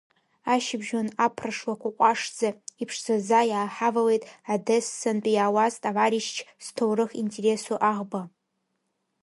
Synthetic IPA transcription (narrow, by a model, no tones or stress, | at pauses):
aʃɪbʒonapʰraʂwakʷaqʷʼaʂd͡zaipʰʂz̥azajaːħavawe̞jtʼadɛsːɨnt͡pʼijaːwaztʼavaɾiʃt͡ʃʰstʰowrɨχintʰʼe̞ɾe̞suʔaʁba